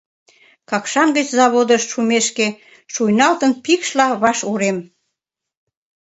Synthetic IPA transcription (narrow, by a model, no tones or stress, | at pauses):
kɑkʃɑnɡət͡ɕzɑβod̪əʃʃumeʃke | ʃujnɑlt̪ənpikʃlɑβɑʃuɾem